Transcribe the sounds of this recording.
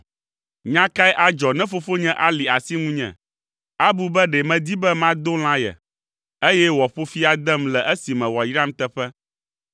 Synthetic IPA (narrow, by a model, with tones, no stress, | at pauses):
ɲã˦ka˦jʔa˨d͡ʒɔ˨nɛ̃˦fo˦fo˦ɲɛ̃˦ʔa˦li˨a˨si˦ŋũ˦ɲɛ̰̃˨ | a˦bu˦bɛ˦ɖɛ˨mɛ̃˨d̪i˦bɛ˦mã˦d̪o˦l̃ã˦jɛ̰˨ | e˦jɛ˦wɔ˨ɸo˦fi˦a˨d̪ɛ˦mlɛ˨ʔɛ˦si˨mɛ̃˨wɔ˨jɾa˦m˦t̪ɛ˦ɸɛ˦